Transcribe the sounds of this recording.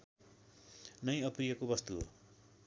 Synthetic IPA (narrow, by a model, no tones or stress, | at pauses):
nʌj̃ʌprijʌkobʌst̪uɦo̰